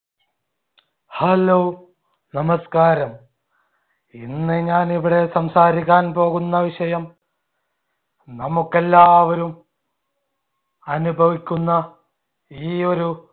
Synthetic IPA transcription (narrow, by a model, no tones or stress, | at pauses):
hɐlo | nɐmɐskaːɾɐm | inːɨɲaːniʋiɽe̞sɐmsaːɾikʲːaːnpo̞ːɣunːɐʋiʂɐjɐm | nɐmukːelːaːʋɐɾum | ɐnubʱɐʋikʲːunːɐ | iːo̞ɾu